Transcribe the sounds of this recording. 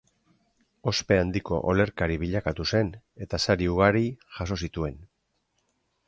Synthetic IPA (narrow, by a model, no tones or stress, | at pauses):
o̞spe̞and̪iko̞̰ʔole̞ɾkaɾiβiʎakat̪use̞n | e̞t̪asaɾiuɣaɾiʝaso̞sit̪ue̞n